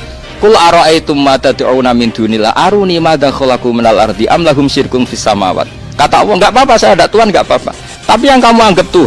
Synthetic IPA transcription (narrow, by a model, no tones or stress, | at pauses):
kʊlʔaɾɔʔajt̪ʊmːat̪ad̪ʕunamɪnd̪̥unila̰ʔaɾunimad̪axɔlakuminalʔa̰rd̪iʔa̰mlaɦʊmʃɪrkʊnfisːama̰wa̰t̪̚ | kat̪aʔwɔŋɡaʔbapasajadaʔt̪uanɡaʔbapa̰ | t̪ap̬ijaŋkamuaŋɡəp̚t̪uɦ